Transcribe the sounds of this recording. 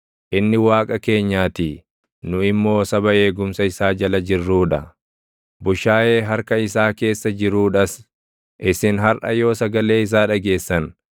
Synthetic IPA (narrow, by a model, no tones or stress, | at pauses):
ʔɪnːɪwaːkʼɐke̞ːɲːaːt̪i | nʊɪmːo̞ːsɐbɐe̞ːɡʊmsɐɪsaːd͡ʒɐlɐd͡ʒɪrːuːᶑɐ | bʊʃaːʔe̞ːɦɐɾkɐɪsaːke̞ːsːɐd͡ʒɪɾuːᶑɐs | ʔɪsɪnɦɐɾʔɐ̰jo̞ːsɐɡɐle̞ːɪs̬aːᶑɐɡe̞ːsːɐn